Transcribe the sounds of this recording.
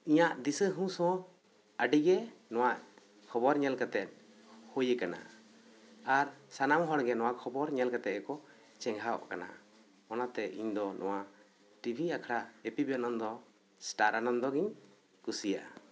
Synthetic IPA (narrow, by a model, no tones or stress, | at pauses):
iɲaʔd̪isəɦũsɔ̃ | əɖiɡɛnɔ̃waʔ | kʰɔbɔɾɲɛlkat̪ɛt̪̚ˀ | hojəkana̰ | aɾsanamɦɔɽɡɛnɔwaʔkʰɔbɔɾɲɛlkat̪ɛkɔ | t͡ʃɛŋɦaɔ̰ʔkana̰ | ɔnat̪ɛḭɲd̪ɔnʔɔ̰wa | ʈibʱiakʰɽaʔepibanɔnd̪ɔ | sʈaɾanɔnd̪ɔɡiɲ | kusija̰ʔa̰